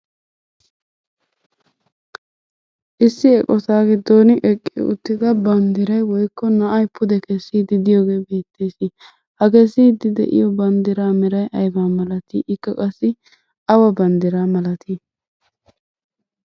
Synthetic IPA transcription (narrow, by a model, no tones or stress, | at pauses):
ʔɪsːɪɛkʼɔt̪aːɡɪd̪ːonɪʔɛkʼːɪ̰ʊ̰t̪ːɪd̪ɐbɐnd̪ɪɾɐjwɔjkːɔnɐʔɐjpʰʊd̪ɛkɛsːiːd̪ɪd̪ɪjoːɡe̞ːbeːt̪ːeːsi | hɐkɛsiːd̪ɪd̪ɛ̰ʔɪ̰jɔbɐnd̪ɪɾaːmɛɾɐjʔɐjbaːmɐlɐt̪iːʔɪkːɐkʼɐsːɪ | ʔɐwɐbɐnd̪ɪɾaːmɐlɐt̪ʰiː